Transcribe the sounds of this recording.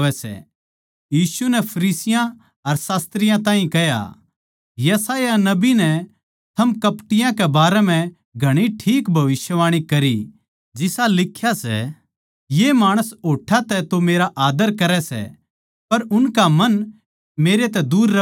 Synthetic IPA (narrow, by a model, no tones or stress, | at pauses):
ʋɛsɛ̰ | jiːsunɛpʰɐɾiːsɪjã | ɐɾsaːst̪ɾɪjãt̪ãːɦĩkɛja̰ | jɐsaːjanɐbinɛ | t̪ʰɐmkɐpʈɪjãkɛbaːɾɛm̤ɛ̃ | ɡʱɐɽ̃iʈʰiːkbʱɐʋɪsjəʋaːɽ̃ikɐɾi | d͡ʒɪsalɪkʰːjasɛ̰ | jemaːɽ̃əsɦoːʈʰat̪ɛt̪omeːɾaʔaːd̪əɾkɐɾɛsɛ̰ | pɐɾʊnkamɐn | meːɾet̪̬ɛd̪uːɾːɐ